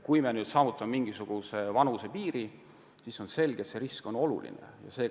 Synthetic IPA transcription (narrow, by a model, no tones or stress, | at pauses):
kujme̞nyːd̪̥sɑːvut̪ːˑɑmmiŋɡ̥isuɡ̥use̞vɑnuse̞piːɾi | siso̞nse̞lɡ̥e̞t̪se̞ɾisko̞no̞lṵlḭnḛjɑ̰se̞ː